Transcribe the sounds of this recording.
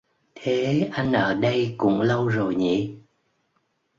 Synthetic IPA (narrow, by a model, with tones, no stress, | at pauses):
t̪ʰe˨˦ʔa˧jŋ̟ʔəː˧˩ɗə˧jkʊ̰˧˥ŋ͡mlə˧wzo˨˩jɲḭ˧˨˥